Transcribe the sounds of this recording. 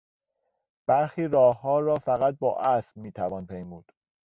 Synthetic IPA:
b̥æɾxiːɾɒːhːɒːɾɒːfæɣæt̪̚bɒːʔæsbmiːt̪ʰævɒːnpʰejmuːd̪̥

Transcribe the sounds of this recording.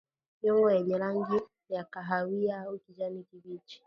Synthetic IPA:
ɲoŋaɛɲɛlaŋ̩ɡɪ | jakaɦawijaokid͡ʒanikiɡit͡ʃi̥

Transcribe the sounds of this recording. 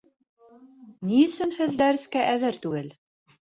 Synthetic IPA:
niɵ̆sɵnhɘðd̪æɾɘ̆skæʔæðɘɾt̪ʉɡɘl

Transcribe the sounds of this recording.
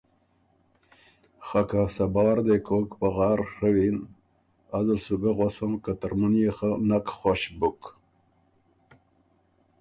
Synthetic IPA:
χakasabɑːɾd̪ekʰokpaɣɑːɾʂəwin | azalsuɡaɣosəmkat̪aɾmunjeχanakχoɕbuk

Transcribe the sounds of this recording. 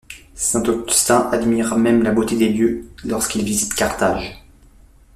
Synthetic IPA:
sɛ̃t̪ɔkyst̪ɛ̃ʔad̪miʁamɛmlabot̪ed̪eljølɔʁskilvizit̪kaʁt̪aːʒ

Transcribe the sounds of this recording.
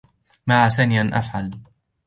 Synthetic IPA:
maʕasaniʔanʔa̰fʕal

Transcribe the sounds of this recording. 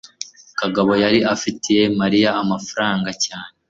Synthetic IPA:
kaɡaβo̞jaɾiʔafitije̞maɾijaːmafaɾaːŋɡacaːne

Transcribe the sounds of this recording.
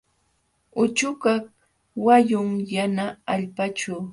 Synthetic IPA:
ʊt͡ʃʊkak | wajʊŋjanaːʎpat͡ʃʊː

